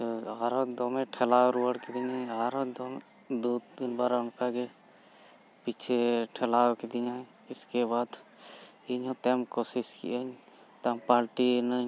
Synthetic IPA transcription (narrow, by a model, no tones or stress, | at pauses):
aːɾod̪oːmẽʈʰelaːoɾuːəɽked̪iɲaːaːɾod̪oːm | d̪uːd̪̚ɪnbaːɾaʊnkaɡe | pit͡ʃʰeʈʰelaːoked̪iɲaː | ɪskebaːd̪ | iɲõːt̪eːmkoːsɪskḭʔəɲ | t̪aːmpaːɾʈinəɲ